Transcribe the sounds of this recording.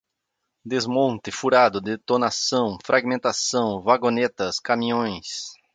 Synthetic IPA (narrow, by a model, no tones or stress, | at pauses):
d̪ezmõnt̪ɪfuɾad̪ʊd̪et̪onasɐ̃w̃fɾʔaɡmẽnt̪asɐ̃w̃vaɡonet̪ɐskamĩɲõj̃s